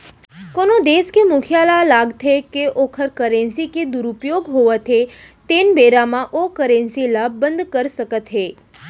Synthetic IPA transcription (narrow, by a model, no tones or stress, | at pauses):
konod̪eskemʊkʰjalalaɡt̪ʰekeʔokʰəɾkəɾẽnsiked̪uɾupjoɡɦoʋat̪ʰet̪enbeɾamãʔokəɾensilab̚ːənd̪kəɾʃəkət̪ɦe